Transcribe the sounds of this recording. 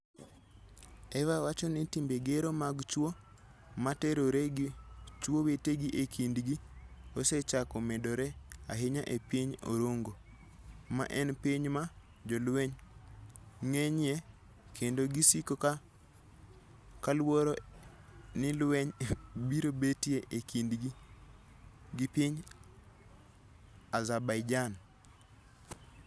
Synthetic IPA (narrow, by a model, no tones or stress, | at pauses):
ɛvawat͡ʃɔnitimbeɡeɾomaɡt͡ʃwo | mateɾoɾe | t͡ʃwoweteɡiʔekʰindɡioset͡ʃakomɛdoɾɛa̰ɦeɲaʔepiɲo̰ɾoŋɡo | ma̰ʔɛnpiɲma | d͡ʒɔlwɛɲ | ŋeɲɪjɛ | kʰendoɡisikoka | kalwoɾo | nɪlwɛɲbiɾobetjeʔekindɡi | ɡipiɲ | azabajd͡ʒan